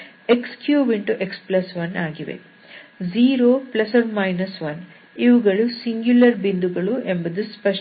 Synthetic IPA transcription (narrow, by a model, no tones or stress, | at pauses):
ekskjuːʋiɳʈuʔeksplɐsʋɐnaːɡiʋḛ | ziːɾoːplɐsɐʋmɐjnɐsʋɐn | iʋuɡɐɭusiŋɡjulɐɾbind̪uɡɐɭuʔembɐd̪uspɐʃ